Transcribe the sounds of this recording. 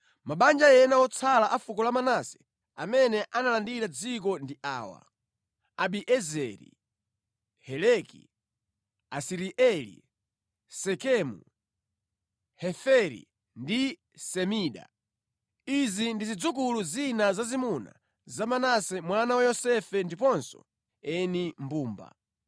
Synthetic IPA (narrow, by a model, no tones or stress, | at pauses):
maɓand͡ʒajɛnawɔt͡sʰalaʔafukɔlamanasɛ̥ | a̰mɛnɛʔanalandiɾad͡zik̬ɔndiʔa̰ːwa̰ | aɓiʔɛzɛ̰ɾḭ | hɛlɛkḭ | asiɾiʔɛlḭ | sɛkɛmṵ | hɛfɛɾḭ | ndi | sɛmiːɗa̰ | izindizid͡zukuluzinazazimuna̰ | zamanasɛmwanawajɔsɛfɛndipɔnsɔ̰ | ɛnimbuːmba̰